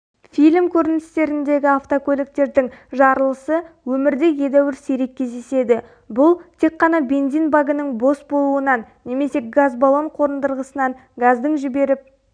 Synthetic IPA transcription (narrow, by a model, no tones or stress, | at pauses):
fijlʲmkʲʰɵɾɪnɪst̪e̞ɾɪnd̪e̞ɡʲɪaft̪okʰʲɵlʲek̚t̪e̞ɾd̪ɪŋʒɑɾəlˠəsəwɵmɪɾd̪e̞je̞d̪æwɪɾseɾe̞k̚ʲːʰe̞zd̪e̞se̞d̪ɪ | bʊlˠt̪ʰe̞kqːɑnɑbe̞nzinbaɡənəɴbo̞sbo̞lˠuənɑnːe̞me̞se̞ɡazbalˠo̞ɴqʰo̞ɾənd̪əɾʁəsənɑŋ | ɡazd̪əɴʒɪbe̞ɾɪp̚